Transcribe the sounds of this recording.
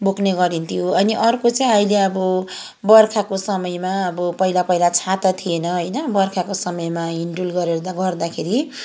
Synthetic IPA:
bokneɡʌɾint̪ʰjoʌniʔʌrkot͡saĩʌjleʌbʌ | bʌrkʰakosʌmʌjmaʌbʌpʌilapʌilat͡sʰat̪ʌt̪ʰienʌɦʌjnʌbʌrkʰakosʌmʌjmaiɳɖulɡʌɾed̪aɡʌrd̪akʰeɾi

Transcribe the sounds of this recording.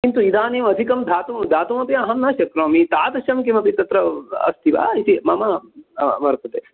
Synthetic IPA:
kint̪uid̪aːneːmɐd̪ʱikɐmd̪ʱaːt̪umd̪ʱaːt̪umɐpiɐɦɐmnaːʃɐkɾoːmit̪aːt̪ɐʃɐmkimɐpit̪ɐt̪ɾɐɐ̰st̪ʰiʋa̰ːit̪imɐmɐ | ʋɐɾt̪ɐt̪e

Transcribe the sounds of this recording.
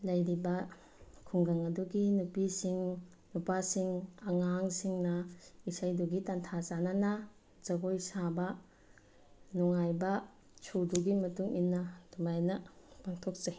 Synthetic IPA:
lɐjɾibɐ | kʰuŋɡɐŋɐduɡinupisiŋ | nupasiŋɐŋaŋsiŋnɐisajduɡitantʰazanana | z̥ɐɡojsabɐ | nɔŋajbɐ | t͡ʃʰoduɡimɐtuŋinːɐdumajnɐpaŋtʰok̚ze

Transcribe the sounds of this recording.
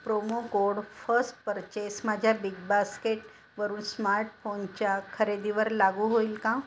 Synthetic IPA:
pɾomokoɽfəsʈpəɾt͡ɕesmad͡ʑʱjabiɡbaskeʈ | ʋəɾuːnsmaɾʈfont͡ɕjakʰəɾed̪iʋəɾlaɡuːɦoilkã

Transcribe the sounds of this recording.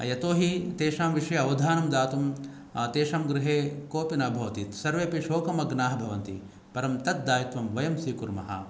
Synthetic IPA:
jɐt̪oːɦit̪eːʃaːmʋiʂɐjɐɐʋɐd̪ʱaːnɐmd̪aːt̪um | t̪eːʃaːmɡɾɪɦeːkoːpinabʱɐʋɐt̪iːt̪sɐɾʋeːɐpiʂoːkɐmɐɡnaːɦɐbʱɐʋɐnt̪ḭ | pɐɾɐmt̪ɐt̪̚d̪aːjɐt̪ʋɐmʋɐjɐmsiːkuɾmɐ̰ɦɐ̰

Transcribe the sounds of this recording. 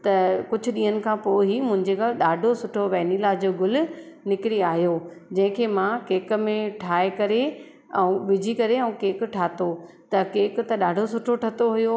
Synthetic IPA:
t̪ɐkʊd͡ʑʱʊ̆ɗĩːɦənɪ̆kʰãːpoːɦimʊ̃ɦɪ̃ɲd͡ʑekalɗaːɖʱosʊʈʰoʋɛːnilaːd͡ʑoːɡʊlʊ̆ | nɪkɪɽiaːɦijo | d͡ʑɐ̃ɦɪ̃kʰeːmãkeːk̆mẽʈʰaːekɐɾe | ɛũʋɪd͡ʑʱikɐɾeɛ̃ũkeːkʈʰaːt̪o | t̪ɐkeːkt̪ɐɗaːɖʱosʊʈʰoʈʰɐt̪oɦujo

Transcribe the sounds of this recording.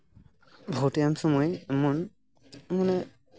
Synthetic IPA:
bʱɔwtijamsɔmɔjmɔn | manɛ

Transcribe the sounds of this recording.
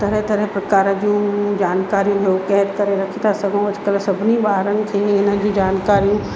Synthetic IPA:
t̪ɐɾəɦt̪ɐɾəɦpɾɐkaːɾəd͡ʑũd͡ʑaːnkaːɾijũd͡ʑoːkɛɦət̪kɐɾeɾɐkʰit̪ʰasɐɡʱəũɐd͡ʑʰkəlsɐbʱɪnibaːɦɾənɪ̆kʰeːɪnəd͡ʑũːd͡ʑaːnkaːɾijũ

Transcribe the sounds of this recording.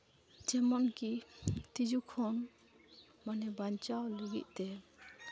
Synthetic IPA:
d͡ʒɛmɔnkit̪id͡ʒukʰɔn | manɛbant͡ʃawluɡḭʔ̚t̪ɛ

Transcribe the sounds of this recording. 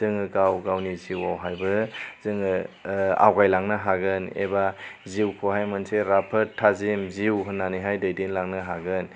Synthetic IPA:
zɯŋɯɡawɡawniziwawɦajbɯz̥ɯŋɯa̰wɡajlaŋnɯɦaɡɯnḛbaziwkʰoɦajmɯnseɾapʰɯtʰːazimziwɦɯnːanɯɦajdajdenlaŋnɯɦaɡɯn

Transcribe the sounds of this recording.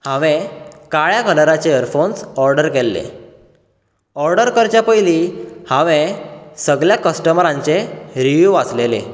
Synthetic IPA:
hãʋẽkaɭjakələɾat͡ɕeəɾfonsɔɾɖəɾkelːḛ | ɔɾɖəɾkəɾt͡ɕjapəjlihãʋẽsəɡɭjakəsʈəmɾãɲt͡seɾiʋjuʋat͡slelḛ

